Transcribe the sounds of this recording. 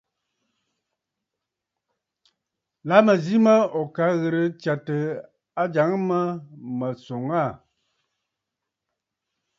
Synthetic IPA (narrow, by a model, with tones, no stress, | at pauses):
la˨˦mə˨zi˦mə˦ɔ˨ka˨˦ɣə˨ɾə˨t͡ʃa˨tə˨ | a˦d͡ʒa˨˦ŋ˦mə˦mə˨so˨ŋa˦˨